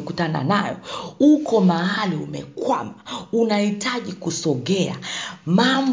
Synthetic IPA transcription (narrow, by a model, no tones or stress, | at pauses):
kutana̰najɔ̰ukɔmahaliumɛkwamaunahitaʄikusɔɠɛa̰mam